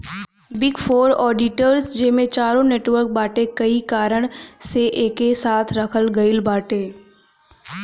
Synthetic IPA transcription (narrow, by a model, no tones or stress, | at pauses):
bɪɡfoːɾɔːɖɪʈəɾsd͡ʒeːmẽt͡ʃaːɾõneːʈʋəɾk̚baːʈekɐikaːɾəɽ̃seʔeːkesaːt̪ʰɾɐkʰəlɡɐɪilbaːʈeː